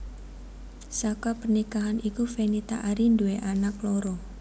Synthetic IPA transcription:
sakapərnikaɦanikufenit̪a̰ʔaɾindueʔanaklɔɾɔ

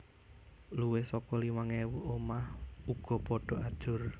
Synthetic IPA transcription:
luwesɔkɔliwaŋewuomahuɡ̥ɔ̤pɔɖ̥ɔ̤ʔad̥ʒ̥ʊr

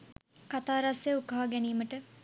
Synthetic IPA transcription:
kat̪aːɾaseukəɦaɡɛniːməʈə

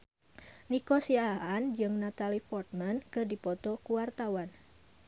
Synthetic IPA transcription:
nikɔsiaaand͡ʒɨŋnat̪alifɔrt̪̚mankɨrdipɔt̪ɔkuwart̪awan

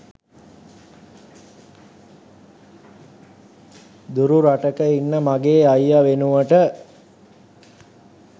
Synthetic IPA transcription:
d̪uɾuɾaʈəkəinːəmaɡeːajːaʋenuʋəʈə

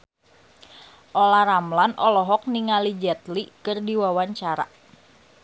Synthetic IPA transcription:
ʔolaɾamlanʔɔlɔɦɔk̚niŋalid͡ʒɛt̪likɨrdiwawaɲt͡ʃaɾa̰

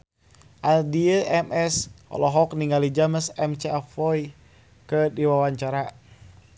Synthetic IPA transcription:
ʔadiəʔɛmɛsɔ̰lɔɦɔk̚niŋɡalid͡ʒaməsɛmt͡ʃɛɛfɔj | kədiwawaɲt͡ʃaɾa

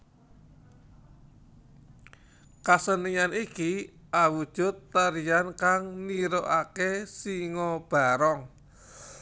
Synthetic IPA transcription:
kasənianiki | ʔawud̥ʒ̥ʊ̤t̪ːəɾiankaŋniɾoʔakesiŋɔb̥a̤ɾɔŋ

